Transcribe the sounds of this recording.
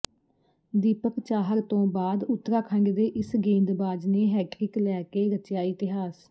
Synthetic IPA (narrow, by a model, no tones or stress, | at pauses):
d̪iːpəkt͡ʃaːɦəɾt̪õːbaːd̪ʊt̪ːɾaːkʰə̃ŋɡd̪eːʔɪsɡẽːnd̪baːd͡ʒneːɦɛːʈɾɪklɛːkeːɾət͡ʃjaːɪt̪ɪɦaːs